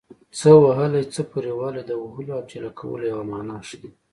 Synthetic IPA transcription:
t͡səwaɦəlajt͡səpuɾewaled̪əwaɦəloab̚d͡ʒalakʰawə̰lojawamɑnɑʃd̪i

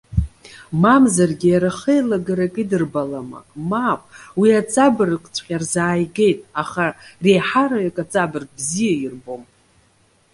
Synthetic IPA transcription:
mamzarɡʲijaɾaχejlaɡaɾakʼidɨrbalama̰kʼmapʼwiat͡sʼabɨrkʷʼt͡sʷʰʼqʲʼarzaːjɡe̞jtʼaχare̞jħaɾaɥakʼat͡sʼabɨrkʼbzijairbo̞m

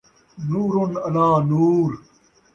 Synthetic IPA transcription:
nuːɾʊnɐlaːnuːɾ

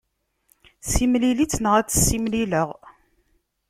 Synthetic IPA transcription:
simlilit͡sːnəʁæt͡sːə̥sːimliləʁ

